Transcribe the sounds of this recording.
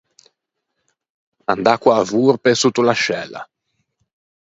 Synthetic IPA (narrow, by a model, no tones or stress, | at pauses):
and̪akːwaːvurpesut̪ːulaʃɛla̰